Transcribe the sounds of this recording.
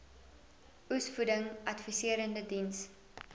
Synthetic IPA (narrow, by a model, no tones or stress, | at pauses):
usfudəŋʔɐtfisiəɾəndədins